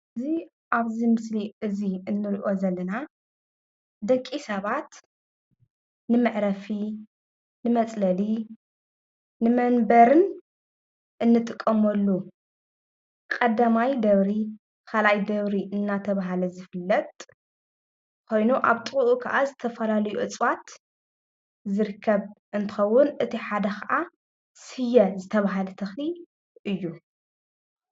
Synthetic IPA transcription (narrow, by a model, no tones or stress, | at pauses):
ɨzi | ʔaβzimɨsliɨziɨnːɨɾiʔo̞zɐlːɐna | d̪ɐkʼisɐβat̪ | nɨmɨʕɾɐfi | nɨmɐt͡sʼlɐli | nɨmɐnbɐɾɨn | ʔɨnːɨt̪ʼɨkʼːɐmɐlːu | kʼɐd̪amajd̪ɐβɾi | kʰalajd̪ɐβɾiʔɨnːat̪ʰɐβaɦalɐzɨfɨlːɐt̪ʼ | kʰo̞jnuʔaβt̪ʼɨuʔukʰɐ̰ʔazɨt̪ʰɐfɐlalɐjuʔɨt͡sʼwat̪ | zɨɾɨkʰːɐβʔɨnt̪ʰɨ̥xɐwːʊnɨt̪ʰiħad̪ɐkʰɐʔa | sɨjɐzɨt̪ʰɐβaɦalɐt̪ʰɐxli | ʔɨjːu